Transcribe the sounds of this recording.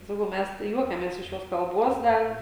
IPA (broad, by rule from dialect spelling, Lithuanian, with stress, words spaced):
sɐˈkɐʊ ˈmʲæs tɐɪ ˈjuɔkʲɛmʲeːs ɪʃ ˈjoːs kɐlˠˈboːs ˈdɐr